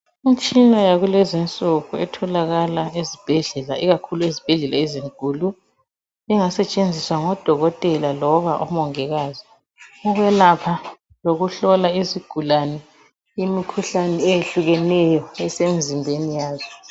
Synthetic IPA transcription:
im̩t͡ʃʼinajaɣulɛzint͡sʼuɣuɛ̰tʰɔlaɣalaezib̥ʱɛɮɛlaiɣakʰuluezib̥ʱɛɮɛlaeziŋǃuːlu | ɛŋasɛt͡ʃʼend͡zʱiswaŋɔd̥ʱɔɣɔtʼɛlalɔβaʔɔmɔŋɛɣazi | ɔɣwɛlapʰa | loɣuɬɔlaiziɡ̥ʱulanɛ | imikʰuɬanɛejeɬuɣɛnɛjɔɛsemizimbʱenijaːzɔ

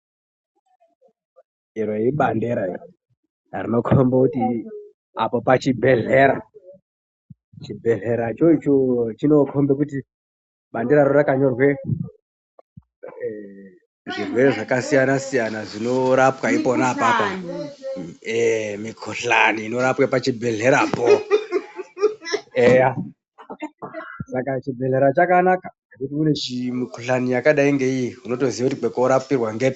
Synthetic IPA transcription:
irweiɓandeɾar | rino̞kʰombekuti | apopat͡ʃibʱe̞ɮe̞ɾa | t͡ʃibʱe̞ɮe̞ɾat͡ʃo̞it͡ʃot͡ʃino̞kʰo̞mbek̬uti | ɓandeɾaɾorakaɲo̞rwe̞ | ʐirwe̞ɾeʐakasijanasijanaʐino̞ɾapwaiponapapo | emikʰoɬaniːno̞ɾapwepat͡ʃibʱe̞ɮe̞ɾaːpo | eja | sakat͡ʃibʱe̞ɮe̞ɾat͡ʃakanaka | akutimune̞t͡ʃimikʰoɬanijakaɗaiŋɡe̞ijiuno̞to̞ziakutik͡pekoɾapirwaŋɡet

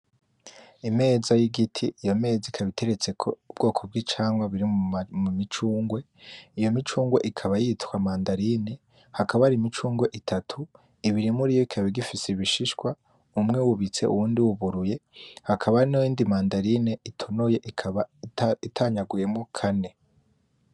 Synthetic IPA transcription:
ime̞ːzajiɡitʰḭʔijo̞me̞ːzikʰaβitʰe̞ɾet͡se̞kʰoubɡo̞ːkʰob̚ɡit͡ʃaːŋɡwaβiɾimumit͡ʃuːŋɡwe̞ | ijo̞mit͡ʃuːŋɡwe̞̰ʔikʰaβajitkwamaːndaɾine̞ | hakʰaβaɾimit͡ʃuːŋɡwe̞ʔitʰatʰu | iβiɾimuɾijoikʰaβeɡifiseβiʃiʃkwa | umŋe̞wuβit͡se̞̰ʔṵwuːndiwuβuɾuje̞hakʰaβaniːndimaːndaɾineʔitʰonoje̞ʔikʰaβaitʰaɲaɡuje̞mokʰane̞

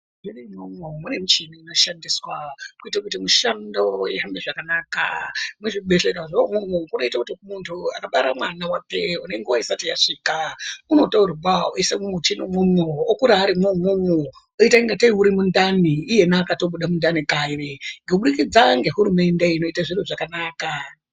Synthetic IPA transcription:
ʐinimomomune̞mit͡ʃiniino̞ʃandiswakuitakutimuʃando̞jeambeʐakanaːka̰mweʐiɓeɬeɾaʐiomomokuno̞itakutimuntʰua̰kaɓaɾamwanawapeune̞ŋɡewaisatiaʂikauno̞tauɾubawaesemumutinomumoːkuɾaːɾimomomo | oitaiŋɡateiuɾimundaniːje̞nakato̞ɓuɗamundanikaireŋɡeuɓuɗikid͡zaŋɡe̞ɦuɾume̞nde̞ino̞itaʐiruʐakanaːka

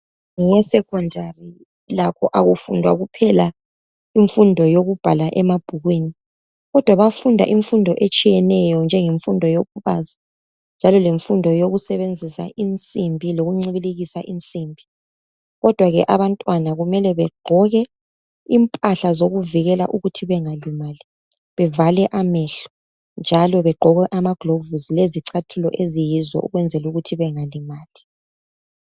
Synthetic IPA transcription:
ŋɛsɛkʰɔndʱari | lakʰɔʔaɣufṵndʱwa̰ɣupʰɛla | iɱfundʱɔjoɣub̥ʱalaʔɛmab̥ʱuɣwini | ɣɔd̥ʱwaβafundʱa̰ʔiɱfundʱɔʔet͡ʃʼijɛnɛjɔnd͡ʒʱɛŋeɱfundʱɔjopʰuβa̰zḁ | nd͡ʒʱalɔleɱfundʱɔjoɣusɛβend͡zʱisa̰ʔint͡sʼimbʱiloɣuŋ͡ǀiβiliɣisaʔint͡sʼimbʱi | ɣɔd̥ʱwaɣɛ̰ʔaβantʼwanaɣumɛlɛβɛɡ͡ǃʱɔɣɛ | impʼaɬazoɣuviɣɛla̰ʔuɣutʰiβɛŋalimali | βɛvalɛʔamɛɬɔ̥ | nd͡ʒʱalɔβɛɡ͡ǃʱɔɣɛʔamaɡ̥lovuzileziǀʰatʰulɔ̰ʔezijizɔ̰ʔṵɣwɛnd͡zʱɛluɣutʰiβɛŋalimaːli

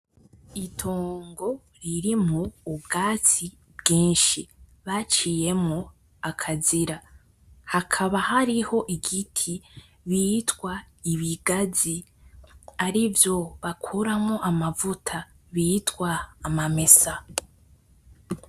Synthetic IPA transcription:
itʰoːŋɡo̞ | ɾiɾimuːbɡaːt͡si | bɡiːnʃiβat͡ʃije̞mŋo | akʰaziɾa | hakʰaβahaɾiho̞ʔiɡitʰi | βitwa | iβiɡazi | aɾivjo̞βakʰuɾamoʔamavutʰa | βitwaːmame̞sa

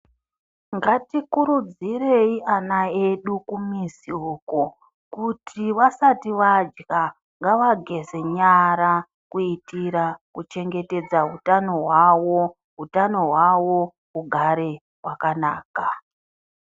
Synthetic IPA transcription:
ŋɡatikuɾud͡zire̞iʔanaeɗukumisiuko | kutʰiʋasatiʋad͡ʒɡa | ŋɡaʋaɡʱe̞ze̞ɲaɾa | kuitiɾakut͡ʃe̞ŋɡe̞te̞d͡zaɦutano̞ɦwawo | ɦutano̞ɦwawo̞ | uɡʱaɾe̞ | wakanaːka

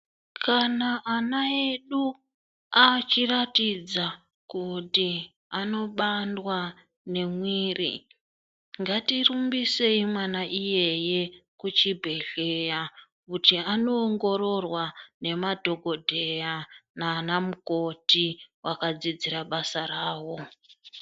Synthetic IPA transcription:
kʰanaʔːnae̞ɗu | at͡ʃiratid͡za | kuti | ano̞ɓandwa | ne̞mwiːrḭ | ŋɡatirumbise̞imwanaʔije̞je̞kut͡ʃibʱe̞ɮeja | kutiano̞ːŋɡo̞ɾo̞rwane̞madʱo̞ɡʱodʱe̞janaːnamuko̞tiwakad͡zid͡ziraɓasaraːwo̞

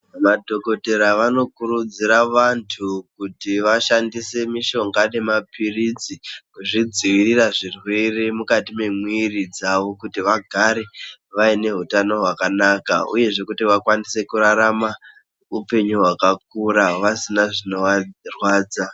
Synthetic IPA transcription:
madʱo̞ko̞te̞ɾaʋano̞kuɾud͡ziɾaʋantʰukutiʋaʃandise̞miʃo̞ŋɡane̞mapirid͡zikuʐid͡ziʋiriraʐirwe̞re̞mukatime̞mwirid͡zaʋo̞kutiʋaɡʱaɾe̞ʋaine̞ɦutano̞ɦwakanakaṵje̞ʐe̞kutiʋakwanise̞kuɾaɾama | upe̞ɲuɦwakak̚uɾaʋasinaʐino̞wad͡zirwaːd͡za

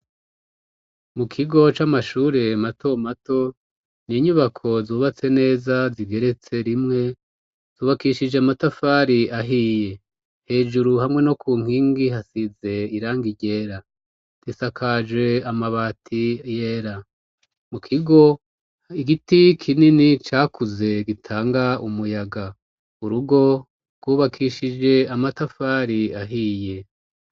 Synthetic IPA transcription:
mukʰiɡo̞t͡ʃamaʃuːɾe̞mato̞mato̞ | niɲuβakʰo̞zuːβat͡se̞ne̞ːzaziɡe̞ɾe̞t͡se̞ɾimŋe̞ | z̥uːβakiʃid͡ʒeamatafaːɾiaɦiːje̞ | he̞ːʒuɾuhamŋe̞no̞kʰuːŋ̥hiːŋɡihasize̞iɾaːŋɡiɟe̞ːɾa | tisakʰad͡ʒwe̞amaβaːtʰijeːɾa | mukʰiɡo̞ | iɡitikʰininit͡ʃaːkuze̞ɡitʰaːŋɡaumujaɡa | uɾuɡo̞ | ɾɡ̥wuːβakʰiʃid͡ʒe̞amatafaːɾiaɦije̞

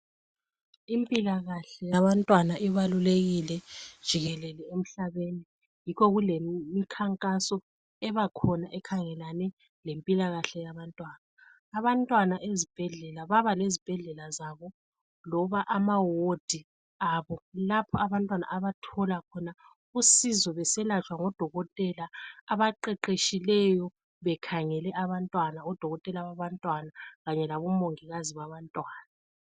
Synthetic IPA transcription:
impʼilaɣaɬɛjaβantʼwanaʔɛβaluleɣilɛd̥ʒ̥ʱiɣɛlɛlɛem̩ɬaβeni | jikʰɔɣulemikʰaŋkʼasɔ | ɛβakʰɔnaʔɛkʰaŋɛlanɛ | lempʼilaɣaɬɛjaβantʼwaːnaː | βantʼwanaʔezib̥ʱɛɮɛlaβaβalezib̥ʱɛɮɛlazaβɔ | lɔβaʔamawod̥ʱi | aβɔlapʰɔaβantʼwana̰ʔaβatʰɔlakʰɔna | usizɔβɛsɛlat͡ʃʰʼwaŋɔd̥ʱɔɣɔtʼɛlaːβaǃɛǃeʃilɛjɔ | βɛkʰaŋɛlɛʔaβantʼwanaɔd̥ʱɔɣɔtʼɛlaβaβantʼwanaɣaɲɛlaβɔmoŋiɣaziβaβantʼwaːna

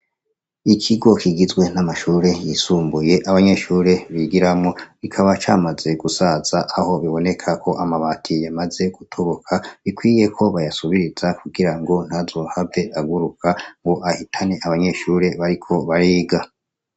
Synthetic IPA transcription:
ikʰiɡo̞kiɡizɡwe̞namaʃuːɾe̞jisuːmbuje̞ʔaβaɲe̞ʃuːɾe̞βiɡiɾamŋo̞βikʰaβat͡ʃaːmaze̞ɡ̥usaz̥aʔaho̞βiβo̞ne̞kʰakʰo̞ʔamaβaːtʰijamaze̞ɡ̥utʰo̞βo̞kʰaβikwiːje̞kʰo̞βajasuβiɾiz̥akuɡiɾaŋɡo̞n̥hazo̞ːhave̞aɡuɾukʰaŋɡo̞ʔahitʰane̞ʔaβaɲe̞ːʃuːɾe̞βaɾikʰo̞βaɾiːɡa

